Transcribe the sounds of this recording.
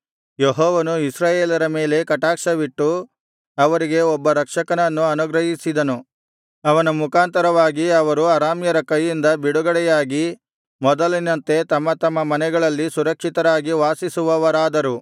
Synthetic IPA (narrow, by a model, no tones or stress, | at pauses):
jeɦɔːʋɐnuisɾaːjeːlɐɾɐme̞ːle̞kɐʈaːkʂɐʋiʈːu | ɐʋɐɾiɡe̞ɔbːɐɾɐkʂɐkɐnɐnːuɐnuɡɾɐɦisid̪ɐnu | ɐʋɐnumukaːnt̪ɐɾɐʋaːɡiɐʋɐɾuɐɾaːmjɐɾɐkɐjːind̪ɐbiɽuɡɐɽɛjaːɡi | mɔd̪ɐlinɐnt̪e̞t̪ɐmːɐt̪ɐmːɐmɐnɛɡɐɭɐlːisuɾɐkʂit̪ɐɾaːɡiʋaːsisuʋɐʋɐɾaːd̪ɐɾu